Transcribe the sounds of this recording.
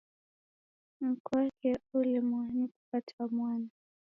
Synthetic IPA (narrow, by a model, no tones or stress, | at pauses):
m̩kwakɛulimwanikupatwamwana